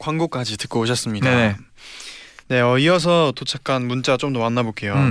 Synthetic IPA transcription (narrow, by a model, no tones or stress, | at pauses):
kwaŋɡok͈ad͡ʑitɯ̥k͈ʌoɕ̬ʰʌs͈ɯmɲidndane | ne̞ʌiʌs̬ʰʌtot͡ɕʰak͈ʰanmunt͡ɕ͈at͡ɕ͈omdomanːabok͈e̞jo